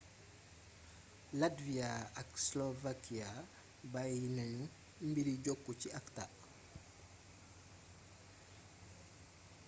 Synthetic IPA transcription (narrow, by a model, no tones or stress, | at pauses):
ladviaɐkslovakia | bajinɐɲu | mbiɾiɟɔkːuciɐktaʔ